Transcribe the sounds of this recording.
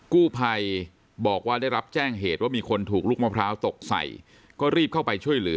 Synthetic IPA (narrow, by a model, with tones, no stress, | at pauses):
kuː˥˩pʰa˧j | bɔː˨˩k̚waː˥˩da˥˩jɾa˦˥p̚t͡ɕɛː˥˩ŋɦeː˨˩t̪̚waː˥˩miː˧kʰo˧nt̪ʰuː˨˩k̚luː˥˩k̚maː˦˥˩pʰɾaː˦˥wt̪o˨˩k̚sa̰˨˩j | kɔː˥˩ɾiː˥˩p̚kʰa˥˩wpa˧jt͡ɕʰu˥˩əjlɯ˩˦